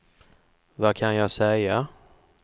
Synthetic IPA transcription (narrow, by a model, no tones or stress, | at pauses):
vakʰanjɑːɡsɛja